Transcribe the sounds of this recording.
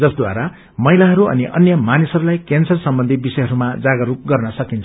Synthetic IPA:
d͡zʌsd̪waɾa | mʌilaɦʌɾuʌ̰niʔʌ̰njʌmanisʌɾulajkensʌrsʌmbʌnd̪ʱibisʌjɦʌɾumad͡zaɡʌɾupɡʌrnʌsʌkint͡sʰ

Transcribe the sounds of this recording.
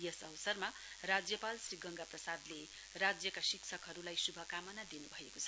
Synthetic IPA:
jʌsʌwʌsʌrma | rad͡zjʌpalsriɡʌŋɡaprʌsad̪le | rad͡zjʌkasiksʰʌkɦʌɾulajsubʱʌkamʌnad̪inubʱʌekot͡sʰʌ

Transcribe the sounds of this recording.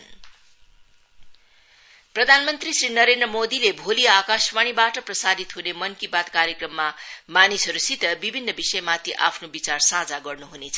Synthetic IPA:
prʌd̪ʱanmʌnt̪risrinʌɾend̪rʌmod̪ilebʱoliakasmaɽ̃ibaʈʌprʌsad̪it̪ɦunemʌnkibad̪kaɾjekrʌmːamanisʌɾusit̪ʌbibʱinːʌbisʌjmat̪ʰiʔapʰnobit͡sarsãd͡zaɡʌrnuɦunet͡sʰʌ

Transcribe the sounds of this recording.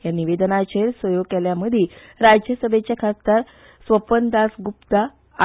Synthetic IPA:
ɦjaniʋed̪ənat͡ɕelsʋəjoɡ̚kɛljaməd̪ʱjeɾad͡ʑjəsəbʱet͡ɕjakʰast̪aɾ | sʋəpənd̪asɡupt̪a

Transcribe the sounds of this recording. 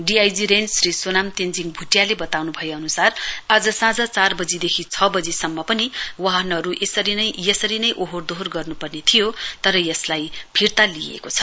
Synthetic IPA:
ɖiajd͡ziɾenrisonamt̪end͡ziŋbʱuʈjalebʌt̪awnubʱʌjeʌnusarad͡zʌsãd͡zʌt͡sarbʌd͡zid̪ekʰit͡sʰʌbʌd͡zisʌmːʌpʌniwaɦʌnʌɾuʔesʌɾinʌjjʌsʌɾinʌjʔoɦord̪oɦorɡʌrnupʌrnet̪ʰijot̪ʌɾʌjʌslajpʰirt̪alijḛkot͡sʰʌ̥

